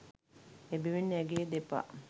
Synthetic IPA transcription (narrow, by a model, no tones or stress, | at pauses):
ebiʋinːæɡeːd̪epa̰